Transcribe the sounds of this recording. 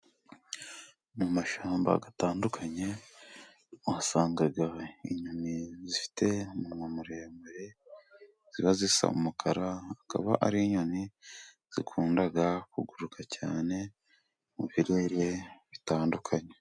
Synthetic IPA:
mumaʃaːmba̰ɡataːndukʰaɲe̞ | wasaːŋɡaɡaḭɲunizifi̥te̞mumamuɾeːmbeɾe̞ | z̥iβazisa̰ṵmukʰaɾaːka̰βaʔaɾiːɲoni | z̥ikʰuːndaɡakuɡuɾukʰacaːne̞ | muβiɾeːɾe̞βitaːndukʰaɲe

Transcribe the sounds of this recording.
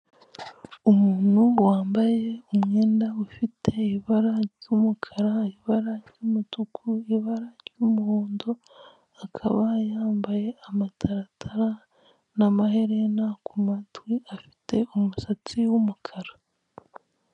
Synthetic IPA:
umuːn̥huwaːmbaje̞umŋe̞ːndaufitʰe̞iβaɾaɾɟumukʰaɾaiβaɾaɾɟumutukʰuiβaɾaɾjɟumuhoːndo | akʰaβajaːmbaje̞amatʰaɾatʰaɾa | namahe̞ɾe̞nakʰumatwiafi̥te̞umusat͡siwumukʰaɾa

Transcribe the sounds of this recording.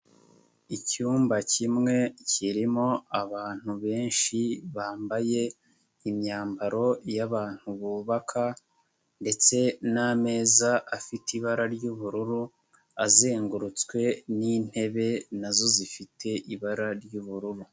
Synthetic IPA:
icuːmbacimŋe̞ciɾimo̞aβaːn̥huβe̞ːnʃiβaːmbaje̞ | imɲaːmbaɾo̞jaβaːn̥huβuːβakʰa | nde̞t͡se̞name̞ːzaʔafitiβaɾaɾɟuβuɾuɾu | aze̞ːŋɡuɾut͡skwe̞nin̥he̞βe̞nazo̞zifitʰe̞ʔiβaɾaɾɟuβuɾuɾu

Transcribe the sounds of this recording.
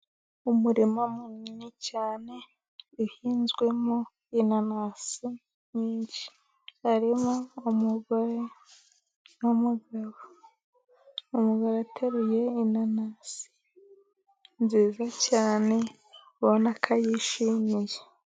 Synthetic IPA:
umuɾimomuɲinicaːne̞ | uhiːnzɡwe̞mo | inanasi | ɲiːɲʃi̥ | haɾimoumuɡaɾe | numuɡaɾo | umuɡaɾatʰeɾuje̞inanasi̥ | nziːzacaːne̞ | βonakʰajiʃimije

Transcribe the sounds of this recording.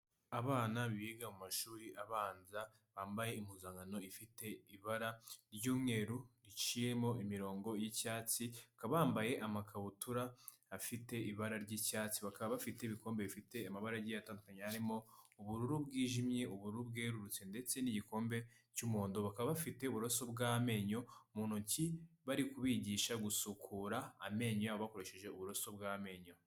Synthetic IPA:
aβaːnaβiɡamumaʃuːɾiʔaβaːnza | βaːmbaje̞imuzaːŋɡano̞ifite̞iβaɾaɾɟuːmŋe̞ːɾuɾit͡ʃije̞mo̞ʔimiɾo̞ːŋɡo̞jicaːt͡siakaβaːmbaje̞ʔamakʰaβutuɾaː | fite̞iβaɾaɾɟiːcaːt͡siβakaβaβafite̞iβiko̞ːmbe̞βifite̞amaβaɾaɾɟijataːndukaɲehaɾimo̞uβuɾuɾubɡiːʒimje̞ʔuβuɾuɾubɡe̞ːɾuɾut͡se̞nde̞t͡se̞niɟiko̞ːmbe̞ | cumoːndoβakaβaβafite̞uβuɾoso̞bɡaːme̞ːɲo̞muːn̥uciβaɾikuβiɟiːʃaɡusukʰuɾaːme̞ːɲojaβoβako̞ɾe̞ʃe̞ʒe̞uβuɾoso̞bɡaːme̞ːɲo̞

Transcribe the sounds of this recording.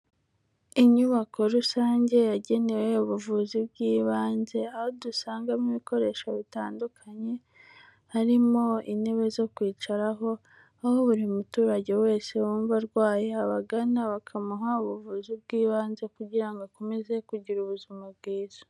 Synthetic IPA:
iɲuβakʰo̞ɾusaːɲɟe̞jaɟe̞ne̞we̞uβuvuzibɡiːβaːnze̞ahodusaːŋɡamiβiko̞ɾe̞ːʃaβitaːndukʰaɲe̞ | haɾimo̞ine̞βe̞zo̞kwiːt͡ʃaɾaɦo̞ | ahoβuɾimutuːɾaɟe̞we̞ːse̞wuːɱvaɾɡwaːjeaβaɡanaβakʰamaɦauβuvuzib̚ɡiːβaːnze̞kuɟiɾaŋɡako̞me̞ze̞kuɟiɾuβuzimab̚ɡiːz̥ḁ

